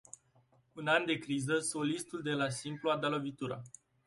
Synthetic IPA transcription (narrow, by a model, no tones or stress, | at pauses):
unand̪e̞kɾizəso̞list̪uld̪e̞lasimpluad̪alo̞vit̪uɾa̰